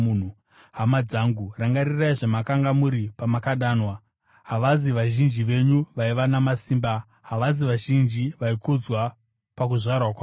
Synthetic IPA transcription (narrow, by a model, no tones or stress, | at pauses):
n̤u | ɦamad͡zaːŋɡuraŋɡaɾiraiʐemakaŋɡamuɾipamakaɗaːnwa | ɦaʋaziʋaʒind͡ʒiʋe̞ɲuʋaiʋanamasiːmba | ɦaʋaziʋaʒind͡ʒiʋaikud͡zwa | pak̬uʐarwak̬waː